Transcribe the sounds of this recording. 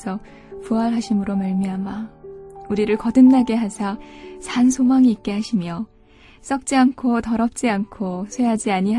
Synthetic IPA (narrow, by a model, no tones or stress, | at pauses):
sʰʌk̚ | puɦaɭɦaɕʰimɯɾomaɭmiɦama | uɾiɾɯɭkʌdɯmnaɡe̞ɦasʰasʰansʰomaŋiːk̚k͈e̞ɦaɕʰimjʌ | s͈ʌk̚t͡ɕ͈iankʰotʌɾʌp̚t͡ɕ͈iankʰosʰwe̞ɦad͡ʑiaɲiɦ